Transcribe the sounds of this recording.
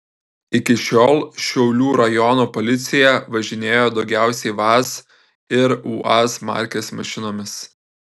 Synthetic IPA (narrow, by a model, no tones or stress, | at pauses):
ɪkʲɪʃʲoːlˠʃʲɛʊlʲuːɾɐjɔnoːpɔlʲɪt̪sʲɪjɛʋɐʒʲɪnʲeːjoːd̪ɒʊɡʲæˑʊsʲɛɪʋɑs | ɪɾuːʔɑsmɑ̰ˑɾʲkʲesmɐʃʲɪnoːmʲɪs